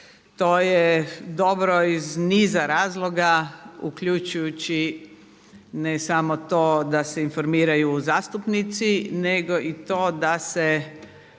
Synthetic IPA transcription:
t̪oːjed̪o̞bɾoizniːzaɾaːzlˠoɡaukʎut͡ʃujut͡ɕi | nesamot̪oːd̪aseinfoɾmiːɾajuzaːst̪upnit̪sineɡoʔit̪oːd̪ase

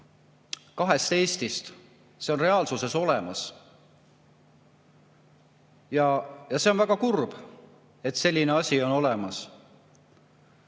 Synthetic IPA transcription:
kɑɦe̞st̪e̞ːsʲt̪ist̪ | se̞o̞nre̞ɑːlsuse̞so̞lemɑs | jɑjɑse̞o̞nvæɡ̥ɑkurb̥ | e̞t̪ːˑse̞lʲːine̞ɑsʲio̞no̞le̞mɑs

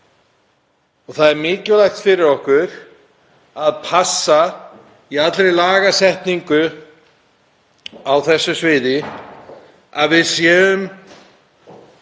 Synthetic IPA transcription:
ɔɣθaðɛɾmɪːcʏlajxt̪fɪɾɪɾɔhkʏɾ | aðpʰasːa | iat̪lɾejlaːɣasɛht̪niŋkʏ | awθɛsːʏsvɪːðɪ | aðvɪðsjɛːʏm

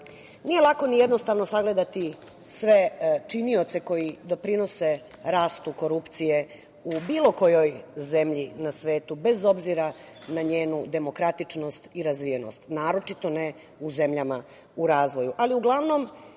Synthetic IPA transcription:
nije̞lˠako̞nijed̪no̞st̪aʋno̞saɡle̞d̪at̪i | sʋe̞t͡ʃinio̞t̪se̞ko̞jid̪o̞pɾino̞se | ɾaːst̪uko̞ɾupt̪sije̞ | ubiːlˠo̞ko̞jo̞jze̞mʎinasʋe̞ːt̪ube̞zo̞bziɾa | naɲeːnud̪e̞mo̞kɾat̪it͡ʂno̞st̪iɾazʋijeno̞̰st̪naːɾo̞t͡ʃit̪o̞ne | uze̞mʎama | uɾaːzʋo̞juʔaliuɡlˠaʋno̞m

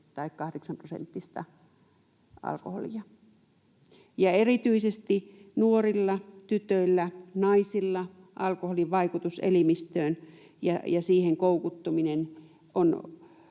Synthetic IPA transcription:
t̪ɑikkɑhdeksɑmprosḛnt̪ːist̪ɑ̰ | ɑ̰lkoho̰lḭɑ | jɑerit̪yisest̪inuorilːɑt̪yt̪øilːænɑisilːɑ | ʔɑlkoholiʋʋɑikut̪usḛlimist̪øːn | jɑjɑsiːheŋkoukut̪ːominen | ʔon

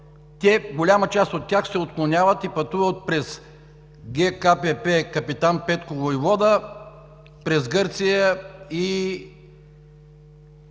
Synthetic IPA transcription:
t̪ʲɛɡolʲamət͡ʃast̪ot̪ʲːjaxsɛot̪̚klˠonʲavət̪ipɐt̪uvət̪̚pɾɛs | ɡʲɛkapɛpɛkɐpit̪anpɛt̪kovojvɔd̪ə | pɾɛzɡɤɾt̪sijəi

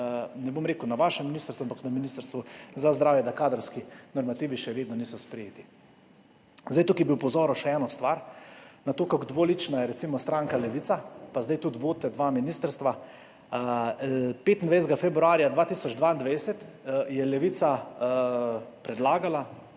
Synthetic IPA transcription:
nɛbomɾeːkuwnaʋaʃɛmːinist̪əɾst̪uampaknaminist̪ɾst̪ʋuzazd̪ɾaːwjɛd̪akaːd̪ɾɔwskinɔɾmat̪iːʋiʃɛʋeːd̪nɔniːsɔspɾɛjeːt̪i | zd̪ajt̪ukijɛbiwpɔzɔːɾɔʃɛɛːnɔst̪ʋaɾnat̪oːkakd̪ʋolit͡ʃnajɛɾɛt̪simɔst̪ɾaːŋkalɛʋit̪sapazd̪ajt̪ut̪ʋoːt̪t̪ːɛd̪ʋaminist̪əɾst̪ʋa | peːt̪nd̪ʋɛjzɡafɛbɾuaːɾijad̪ʋaːt̪isɔd͡ʒd̪ʋaind̪ʋɛjsɛt̪jɛlɛʋit̪sa | pɾɛd̪laːɡala

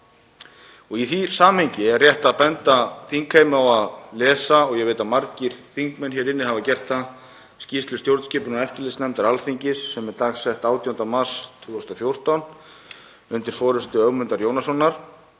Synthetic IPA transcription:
ɔɣiθisaːmhɛɲcɪɛrjɛht̪aapɛnt̪aθiŋkʰheːjmʏawaðlɛːsaɔɣjɛɣveːt̪amaɾciɾ̥θiŋkmɛnçɛɾɪnːɪhavacɛr̥t̪a | scist̪lʏst̪jowɾt̪scɪːpʏnnaɛft̪ɪlɪsnɛmt̪aɾalθiɲcɪsːɛmɛɾt̪aːxsɛht̪aːwt̪ʰiɔnt̪amar̥st̪ʰvuːɔst̪ɔfjow̥t̪ɔn | ʏnt̪ɪɾ̥fɔːɾʏst̪ʏœɣmʏnt̪aɾjoːwnasɔnːaɾ̥

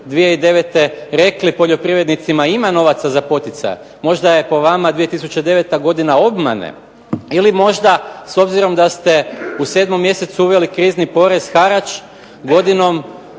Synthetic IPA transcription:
d̪ʋije̞id̪e̞ʋe̞t̪e̞ɾe̞klipo̞ʎo̞pɾiʋɾe̞d̪nit̪simaimano̞ʋat̪sazapo̞t̪it̪sa̰jḛ | mo̞ʒd̪aje̞po̞ʋamad̪ʋije̞t̪isut͡ʃe̞d̪e̞ʋe̞t̪aɡo̞d̪inao̞bma̰nḛ | ilimo̞ʒd̪aso̞bziɾo̞md̪ast̪e̞use̞ːd̪mo̞mːje̞se̞t̪suuʋe̞likɾiːznipo̞ɾe̞z̥xaɾat͡ʃ | ɡo̞d̪ino̞m

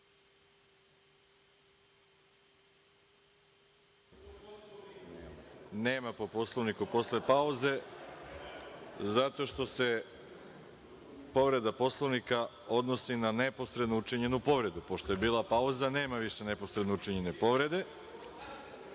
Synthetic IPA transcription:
neːmapoposlˠoʋnikupo̞sle̞pauze̞ | zat̪o̞ʃt̪o̞se̞ | po̞ʋɾe̞d̪apo̞slˠoʋnika | o̞d̪no̞sinanepo̞st̪ɾed̪nout͡ʂiɲe̞nupo̞ʋɾe̞d̪upo̞ʃt̪oje̞biːlˠapauzaneːmaʋiʃeneposɾed̪nout͡ʂiɲe̞ne̞po̞ʋɾe̞d̪e̞

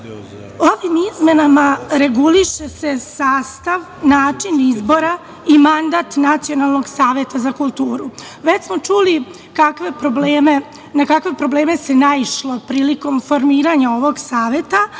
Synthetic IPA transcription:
o̞ʋimizme̞namaɾe̞ɡuliʃe̞se̞saːst̪aʋ | naːt͡ʂinizbo̞ɾa | imand̪at̪nat̪sio̞nalˠno̞ɡsaːʋjet̪azakulˠt̪uːɾu | ʋe̞t͡ɕsmo̞t͡ʃuli | kakʋe̞pɾobleːme | nakakʋe̞pɾo̞ble̞ːme̞se̞naiʃlo̞pɾiːliko̞mfo̞ɾmiːɾaɲao̞ʋo̞ɡsaːʋje̞t̪a

